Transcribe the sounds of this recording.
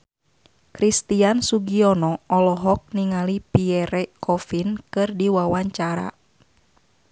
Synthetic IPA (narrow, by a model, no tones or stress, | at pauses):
kɾist̪iansuɡiɔnɔʔɔlɔɦɔk̚niŋalipiɛɾɛkʰɔfinkɨrdiwawaɲt͡ʃaɾa̰